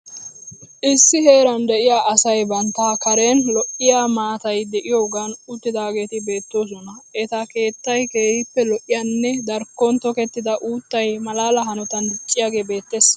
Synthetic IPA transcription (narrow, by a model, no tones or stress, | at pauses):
ʔɪsːɪhe̞ːɾɐnd̪ɛʔɪjaːʔɐsɐjbɐnt̪ːaːkɐɾeːnlɔʔɪjaːmaːt̪ɐjd̪ɛʔɪjoːɡɐnʊt̪ːɪd̪aːɡe̞ːt̪ɪbe̞ːt̪ːoːs̬ɔnɐɛt̪ɐke̞ːt̪ːɐjkeːhɪpːɛlɔʔɪjanːɛd̪ɐɾkːɔnt̪ɔkɛt̪ːɪd̪ɐʔuːt̪ːɐjmɐlaːlɐɦɐnɔt̪ɐnd̪ɪt͡ʃʼːɪjaːɡe̞ːbe̞ːt̪ːes